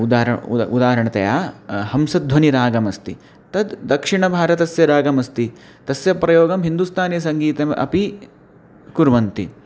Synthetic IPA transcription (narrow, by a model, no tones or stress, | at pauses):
d̪aːɾɐud̪aːɐɾɐɳɐt̪ɐ̰jaːhɐmsɐd̪d̪ʱʋɐniɾaːɡɐmɐst̪i | t̪ɐd̪d̪ɐkʂiɳɐbʱaːɾɐt̪ɐsjɐɾaːɡɐmɐst̪i | t̪ɐsjɐpɾɐjoːɡɐmɦind̪ust̪ʰaːnejɐsɐŋɡiːt̪ɐmɐ̰pi | kuɾʋɐnt̪i